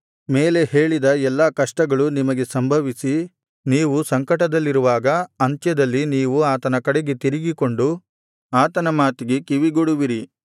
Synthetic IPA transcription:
me̞ːle̞he̞ːɭid̪ɐɛlːaːkɐʂʈɐɡɐɭunimɐɡe̞sɐmbʱɐʋisi | niːʋusɐŋkɐʈɐd̪ɐlːiɾuʋaːɡɐɐnt͡ʃjɐd̪ɐlːiniːʋuaːt̪ɐnɐkɐɽeɡe̞t̪iɾiɡiko̞ɳɖu | aːt̪ɐnɐmaːt̪iɡe̞kiʋiɡoɽuʋiɾi

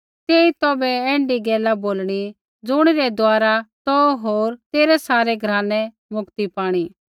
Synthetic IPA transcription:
t̪eːit̪ɔːbɛɛ̃ːɳɖiɡɛːlaboːlɽ̃i | d͡zʊɽ̃iɾɛd̪oaːɾat̪ɔɦoːɾt̪eːɾɛsaːɾɛɡʱɾaːnɛ | mʊkt̪ipaːɽ̃i

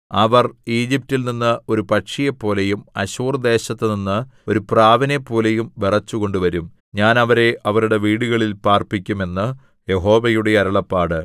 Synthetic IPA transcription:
ɐʋɐriːd͡ʑip̚tːilninːɨo̞ɾupɐʈʂijepːo̞ːlejumɐɕuːrd̪e̞ːɕɐt̪ːeninːɨo̞ɾupraːʋɐnepːo̞ːlejumʋerɐt͡ɕːuɣo̞ɳɖuʋɐɾum | ɲaːnɐʋɐɾe̞ʔɐʋɐɾuɽe̞ʋiːɽuɣɐɭilpaːrpikʲːume̞nːɨ | je̞ɦo̞ːʋɐjuɽe̞ɐɾɐɭɐpːaːɽɨ

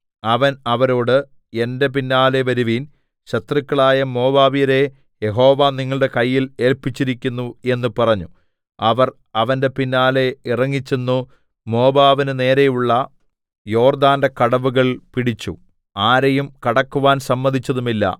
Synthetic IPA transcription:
ɐʋɐnɐʋɐɾo̞ːɽɨ | e̞nde̞p̬inːaːle̞ʋɐɾuʋiːn | ɕɐt̪rikʲːɐɭaːjɐmo̞ːbaːʋijɐɾe̞ | je̞ɦo̞ːʋaːniŋːɐɭɨɽe̞kɐjːile̞ːlpit͡ɕːiɾikʲːunːue̞nːupɐrɐɲːu | ɐʋɐr | ɐʋɐnde̞pinːaːle̞irɐŋːit͡ɕːunːu | mo̞ːbaːʋinɨne̞ːɾejuɭːɐ | jo̞ːrd̪aːnde̞kɐɽɐʋuɣɐɭpiɽit͡ɕːu | aːɾɐjumkɐɽɐkːuʋaːnsɐmːɐnd̪ʱit͡ɕːɐðumilːɐ̰

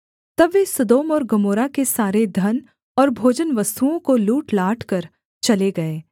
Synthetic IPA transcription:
t̪ɐbʋesɐd̪oːmɔːɾɡɐmoːɾakesaːɾed̪ʱɐn | ɔːɾbʱoːd͡ʒənʋɐst̪uõkoluːʈlaːʈʰkɐɾ | t͡ʃɐleɡɐeː

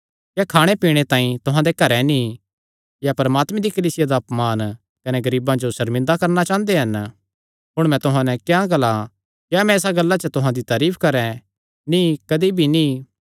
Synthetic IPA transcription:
kjakʰaːɽ̃epiːɽ̃et̪ãːĩt̪ʊɦãd̪ekɐɾɛnĩ | japɐɾɐmaːt̪mẽd̪ikɐliːsɪjad̪apmaːn | kɐneɡɐɾiːbãd͡ʒosɐɾmɪ̃nd̪akɐɾnat͡ʃãːnd̪eɦɐn | ɦʊɽ̃mɛ̃t̪ʊɦãnɛ̃kjãɡɐla | kjamɛ̃ːsaɡɐlːat͡ʃət̪ʊɦãd̪it̪aːɾiːpʰkɐɾɛ̃ | nĩkɐd̪ibʱinĩ

